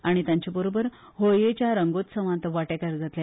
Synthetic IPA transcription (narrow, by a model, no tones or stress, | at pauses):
aɽ̃it̪ãɲt͡ɕabəɾobəɾ | ɦojet͡ɕjaɾəŋɡot̪sə̃ʋãnt̪əʋaʈekəɾd͡zat̪lja